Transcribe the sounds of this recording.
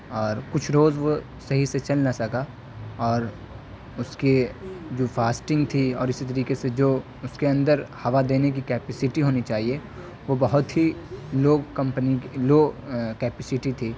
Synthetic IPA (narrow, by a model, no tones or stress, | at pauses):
ɔːɾkʊt͡ʃʰɾoːzʋo | sɐɦiset͡ʃɐlnasɐka | ɔːɾ | ʊsked͡ʒoːfʰaːsʈɪ̃ŋɡt̪ʰiɔːɾɪsit̪ɐɾiːkesed͡ʒoː | ʊskeɐ̃nd̪əɾhɐʋad̪eːnek̬ikɛːpɛsɪʈiɦoːnit͡ʃaːɦie | ʋobɐɦʊt̪ɦiloːɡkɐ̃mpəniloːkɛːpɛsɪʈit̪ʰiː